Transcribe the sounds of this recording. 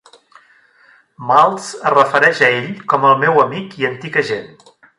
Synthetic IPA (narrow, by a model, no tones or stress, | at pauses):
malˠz̥ərəfəɾɛʃəeʎkɔməlˠmewəmikiənt̪iɣəʒen